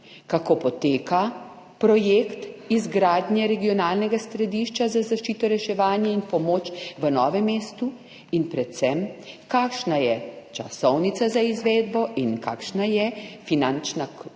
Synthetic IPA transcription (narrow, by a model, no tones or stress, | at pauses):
kakoːpɔt̪eːka | pɾɔjekt̪izɡɾaːd̪njɛɾɛɡijɔnaːlnɛɡast̪ɾɛd̪iːʃt͡ʃazazaʃt͡ʃiːt̪ɔɾɛʃɛʋaːnjainpɔmoːt͡ʃʋənɔːʋɛmːeːst̪u | inpɾɛt̪sɛmkaːkʃnajɛt͡ʃa̰sɔwnit̪sazaizʋeːd̪bɔʔinka̰kʃnajɛfinant͡ʃna